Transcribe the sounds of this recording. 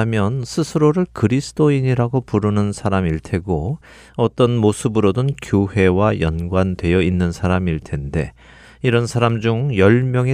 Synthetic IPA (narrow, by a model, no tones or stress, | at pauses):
amjʌnsʰɯsʰɯɾoɾɯɭkɯɾisʰɯ̥tʰoiɲiɾaɡopuɾɯnɯnsʰaɾamiɭtʰe̞ɡo | ʌt͈ʌnmosʰɯbɯɾodonkjoɦe̞wajʌnɡwandwe̞jʌinːɯnsʰaɾamiɭtʰe̞nde̞̰ | iɾʌnsʰaɾamd͡ʑuŋjʌɭmjʌŋe